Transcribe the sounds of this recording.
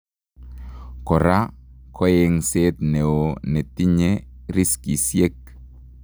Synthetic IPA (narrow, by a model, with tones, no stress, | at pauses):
kɔ˨ɾa˦kʰɔ˦e˨ŋse˦t̪ne˨o˨ne˨ti˦ɲe˦ɾi˦ski˨sje˦k̚